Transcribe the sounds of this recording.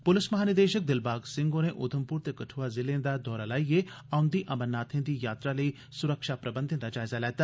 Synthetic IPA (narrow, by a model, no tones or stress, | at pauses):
pʊlɪsmɐɦaːnɪd̪eːʃək̚d̪ɪlbaːɡsɪ̃ŋɡõneʔʊd̪ʱəmpuːɾt̪ekɐʈʰuːazɪlẽːnd̪ad̪ɔːɾalaːije | ãːʊ̃nd̪iʔɐmənːaːt̪ʰẽnd̪ijaːt̪ɾalɐi | sʊɾəkʃapɾɐbə̃nd̪ʱɪ̃nd̪ad͡ʒaːɪzalɛːt̪aː